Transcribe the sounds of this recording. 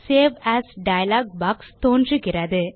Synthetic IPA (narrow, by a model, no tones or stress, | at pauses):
seːʋæːsɖɐjɐlaːɡ̚baːkst̪oːndrɯɣɪrɐðɯ